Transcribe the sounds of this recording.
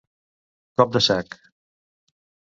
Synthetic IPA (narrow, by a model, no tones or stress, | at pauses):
kɔp̚d̪əsɛk